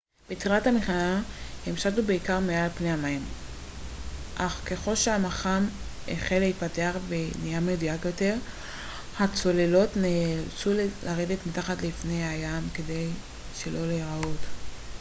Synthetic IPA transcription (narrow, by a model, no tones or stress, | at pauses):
b̥et͡siathamiχanahemʃatubeikaʁmealpne̞jamaim | ʔaχke̞χo̞lʃeamaχamḛχeleit̚pateaχvenijamedujakjo̞te̞ʁ | hat͡so̞le̞lo̞tnet͡sullaʁe̞de̞tmitaχatlifne̞jajamke̞de̞j | ʃe̞lʔo̞leʁaot